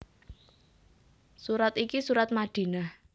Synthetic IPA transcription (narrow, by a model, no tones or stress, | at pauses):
suɾat̪ikisuɾat̪̚maɖ̪̥i̤nah